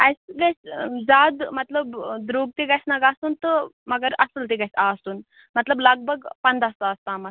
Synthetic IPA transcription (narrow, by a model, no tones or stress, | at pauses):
ajsɡasd͡zad̪mɐt̪ləbd̪ɾoɡ̚t̪eɡajsnɐɡasunt̪ə | mɐɡəɾɐsəlt̪eɡasast̪uːn | mɐt̪ləbləɡ̚bʱəɡpɐnd̪ast̪aːst̪aːmɐs